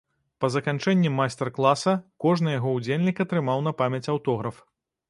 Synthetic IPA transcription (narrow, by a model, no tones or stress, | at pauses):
pɐzɐkant͡ʂɛnʲːimajst̪ɛrklˠasɐkɔʐnɨjaɣɔud͡zʲelʲnʲikɐt̪ɾɨmawn̪ɐpamʲɐt͡sʲawt̪ɔɣɾɐf